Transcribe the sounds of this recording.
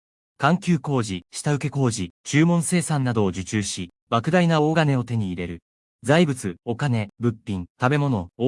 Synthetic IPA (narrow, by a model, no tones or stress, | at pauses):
kãŋkʲɨːko̞ːʑiɕi̥t̪aɯ̟ke̞ko̞ːʑit͡ɕɨːmõ̞ɰ̃se̞ːsãnːad̪o̞ːʑɨt͡ɕɨːɕi | bakɯ̟d̪ainao̞ːɡane̞o̞t̪e̞ɲ̟iːɾe̞ɾɯ̟ | zaibɯ̟t͡sɨo̞kane̞bɯ̟pʲːĩnt̪abe̞mo̞no̞